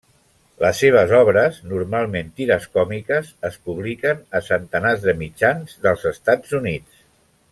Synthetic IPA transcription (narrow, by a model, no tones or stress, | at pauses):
ləsːeβ̞əzɔβ̞ɾəznuɾmalˠment̪iɾəskɔmikəzəspuβ̞likənəsənt̪ənazðəmid͡ʒanzðəlˠzəst̪ad͡zunit͡s